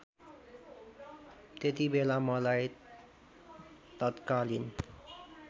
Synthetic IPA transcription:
t̪et̪ibelamʌlaj | t̪ʌt̪kalin

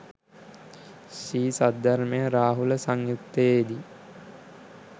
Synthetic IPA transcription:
ʃiːsad̪ːaɾmejəɾaːɦuləsaŋjut̪ːəjed̪i

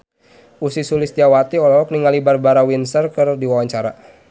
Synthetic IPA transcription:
usisulɪst̪iawat̪iɔlɔɔk̚niŋalibarbaɾawinsərkɨrdiwawaɲt͡ʃaɾa̰

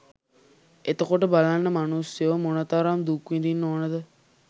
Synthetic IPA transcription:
et̪əkoʈəbalanːəmanusjəʋmonət̪aɾamd̪ukʋid̪inːoːnəd̪ə

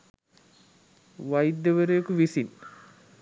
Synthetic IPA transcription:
ʋajid̪ːəʋəɾejekuʋisin

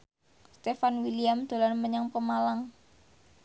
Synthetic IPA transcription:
st̪efanwiliamd̪̥o̤lanməɲaŋpəmalaŋ

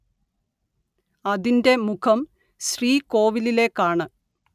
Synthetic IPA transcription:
ɐðinde̞mukʰɐm | ɕriːko̞ːʋilile̞ːkːaːɳɨ

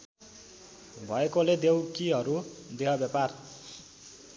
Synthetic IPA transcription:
bʱʌekoled̪ewkiɦʌɾud̪eɦʌbjapar

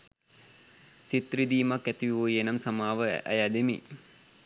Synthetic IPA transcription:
sit̪rid̪iːmakːæt̪iʋiʋojenamsamaːʋə̰æ̰jad̪emḭ

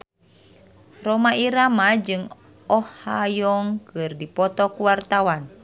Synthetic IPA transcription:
rɔmaiɾamad͡ʒɨŋ | ɔhhajɔŋkɨrdipɔt̪ɔkuwart̪awan

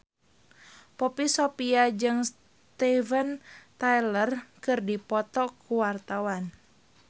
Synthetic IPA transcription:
pɔpisopiad͡ʒɨŋs | t̪ɛvənt̪ajlərkɨrdipɔt̪ɔkuwart̪awan

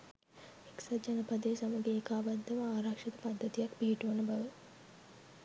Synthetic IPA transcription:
eksad͡ʒanɐpad̪esaməɡeːkaːband̪əʋaaːɾakʂɐt̪ə̥pad̪ːət̪ijakpiɦiʈuʋɐnəbaʋə

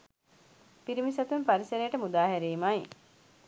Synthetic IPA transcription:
piɾimisɐt̪umpaɾisɐɾejːʈəmud̪aːɦɛɾiːmaj

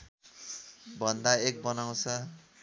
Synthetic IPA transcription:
bʱʌnd̪aek̚bʌnaw̃t͡sʰʌ

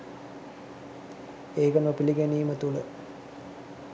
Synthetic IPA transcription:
eːɡɐnopiliɡeniːmət̪ulə

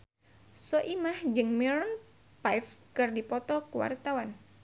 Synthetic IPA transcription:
sɔʔimahd͡ʒɨŋmɛɾɔn | pajfkɨrdipɔt̪ɔkuwa̰rt̪awan

